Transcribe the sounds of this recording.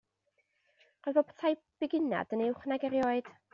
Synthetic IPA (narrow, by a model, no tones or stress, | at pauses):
rojðvopʰtʰaj | b̥ɪɡɪna̰dənɪwχnaɡɛɾjɔːɨd̥